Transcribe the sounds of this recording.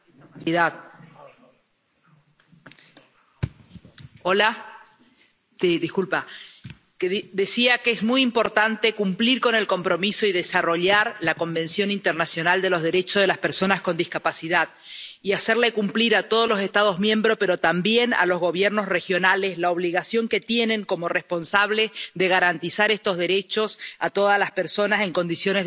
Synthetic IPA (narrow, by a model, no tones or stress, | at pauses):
iðað | ola | siðikulpa | kðe̞siakeezmujimpo̞ɾt̪ant̪e̞kumpliɾko̞ne̞lko̞mpɾo̞miso̞iðesaro̞ʎaɾlako̞mbẽ̞nsjo̞nint̪eɾnasjo̞nald̪e̞lo̞zðe̞ɾe̞t͡ʃozð̞e̞laspe̞ɾso̞nasko̞nd̪ihkapasiðað | iaseɾlekumpliɾat̪o̞ð̞o̞lo̞se̞st̪að̞o̞zmjẽ̞mbɾo̞pe̞ɾo̞t̪ambje̞na̰lo̞zɣo̞β̞jeɾno̞sre̞xjo̞nale̞slaoβliɣasjo̞ŋke̞t̪je̞nẽ̞ŋko̞mo̞re̞spo̞nsaβleðeɣ̞aɾant̪isaɾest̪o̞zðe̞ɾe̞t͡ʃo̞sat̪o̞ð̞alaspeɾso̞nase̞ŋko̞nd̪isjo̞ne